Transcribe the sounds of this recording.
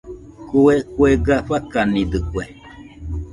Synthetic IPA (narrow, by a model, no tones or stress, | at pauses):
kuekweɡaɸakanid̪ɨkwe